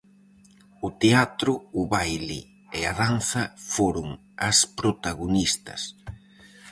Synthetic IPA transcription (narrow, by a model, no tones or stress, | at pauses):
ʊt̪eat̪ɾʊːβajlɪ̰ | eaðanθɐfoɾʊŋ | ɐspɾot̪aɣonist̪ɐ̰s